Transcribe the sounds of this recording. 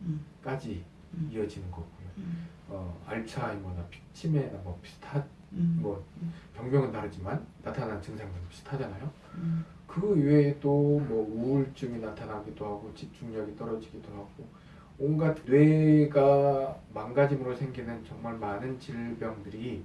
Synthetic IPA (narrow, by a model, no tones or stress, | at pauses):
k͈ad͡ʑiː | ʌd͡ʑinɯnɡʌɡojo | ʌa̰ɭt͡ɕʰaimʌnapʰi̥k̚t͡ɕʰimenamʌpʰi̥stʰa | mʌpjʌŋbjʌŋɯntaɾɯd͡ʑimanːatʰanant͡ɕɯŋsʰaŋnɯnpʰi̥sʰtʰad͡ʑanajo | kɯedomwʌuːɭt͡ɕ͈ɯŋinatʰanaɡidohaɡot͡ɕip̚t͡ɕ͈uŋɲʌɡit͈ʌɾʌd͡ʑiɡidohaɡ̥o | onɡatʰnwe̞ɡamaŋɡad͡ʑimɯɾosʰe̞ŋɡinɯnt͡ɕʌŋmaɭmanɯnt͡ɕiɭbjʌŋdɯɾi